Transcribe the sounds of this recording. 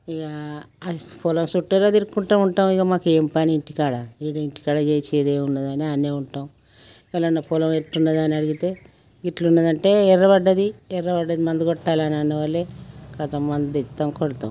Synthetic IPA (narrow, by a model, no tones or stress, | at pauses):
iɡa | pʰolɐmsuʈːɐɾɐd̪iɾkkːuɳʈaːmuɳʈaːmiɡɐmaːkeːmpaniiɳʈikaːɽaiːɽuiɳʈi̥kaːɽɐd͡ʒeːjt͡ʃeːd̪eːunːɐd̪aːniaːneːuɳʈaːm | ɛlɐnːɐpʰoːlɐmeʈːunːɐd̪aːniɐɽiɡit̪e̞ː | ɡiʈlunːɐd̪ɐɳʈe̞ːɛrːɐbɐɖːɐd̪iɛɾːɐbɐɖːɐd̪imɐnd̪uɡɔʈːaːlaːnanuʋɐlːekɐt̪ɐmːɐndd̪it̪ːɐmkoɽt̪a̰m